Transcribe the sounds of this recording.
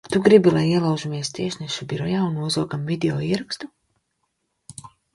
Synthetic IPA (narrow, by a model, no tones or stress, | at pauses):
t̪uɡɾibilˠajiɛlˠawʒumiɛst̪iɛʃnɛʃubiɾɔjaːunːuɔzɔːɡamvid̪eoːiːɾakst̪u